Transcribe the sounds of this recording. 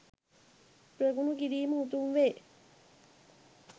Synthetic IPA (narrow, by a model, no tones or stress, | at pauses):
pɾɐɡunuɡiɾiːməut̪unʋeː